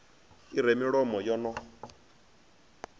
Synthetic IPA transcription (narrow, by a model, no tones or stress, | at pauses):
iɾɛmiɺɔmɔjɔnɔ